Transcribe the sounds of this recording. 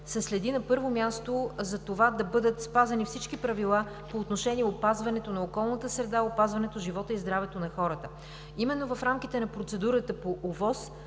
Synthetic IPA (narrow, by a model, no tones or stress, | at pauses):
sɛslɛd̪inɐpɤɾvomʲjast̪ozɐt̪ovad̪ɐbɤd̪ət̪spazɐnifsit͡ʃkipɾɐvilˠa | poːt̪noʃɛniɛopazvɐnɛt̪onɐokɔlˠnət̪əsɾɛd̪aopazvɐnɛt̪oʒivɔt̪əizd̪ɾavɛt̪onɐxɔɾət̪ə | imɛnːovɐfɾamk̟ʲit̪ɛnɐpɾot̪sɛd̪uɾət̪əpoʔovɔs